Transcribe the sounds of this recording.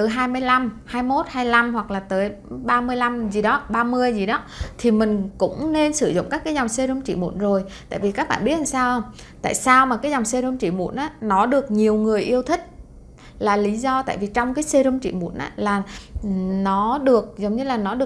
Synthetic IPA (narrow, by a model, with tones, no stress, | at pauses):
t̪ɨ˨˦ɦaː˧jmɨ˧əjla˧mhaː˧jmo˦˥t̚haː˧jla˧mhwa˨˩k̚laː˨˩t̪əː˨˦jɓaː˧mɨ˧əjla˧mzi˨˩ɗɔ˨˦ɓaː˧mɨ˧əjzi˨˩ɗɔ˨˦t̪ʰi˨˩mï˨˩ŋ̟kʊ̰˧˥ŋ͡mne˧nsɨ˧˩zʊ̰˧˨ŋ͡mkaː˦˥kːaː˨˦jzɔ˨˩wŋ͡mse˧zo˧ŋ͡mt͡ɕḭ˧˩mṵ˧˥ənzo˨˩jt̪a̰ː˧˨jvi˨˩kaː˦˥k̚ɓa̰ː˧˨ɓət̚laː˨˩saː˧wʔ | t̪a̰ː˧˨jsaː˧wmaː˨˩kaː˨˦jzɔ˨˩wŋ͡mse˧zə˧mt͡ɕḭ˧˩mṵ˧˩˥ənʔaː˨˦nɔ˨˦ɗɨ˨˩ək̚ɲi˨˩əwŋɨ˨˩əjʔi˧əwt̪ʰï˦˥k̟̚ | laː˨˩li˨˦zɔ˧t̪a̰ː˧˨jvi˨˩t͡ɕɔ˧wŋ͡mkaː˨˦jse˧zə˧mt͡ɕḭ˧˨mṵ˧˥ənʔaː˨˦laː˨˩ | nɔ˨˦ɗɨ˨˩ək̚zə˨˦wŋ͡mɲɨ˧laː˨˩nɔ˨˦ɗɨ˨˩ə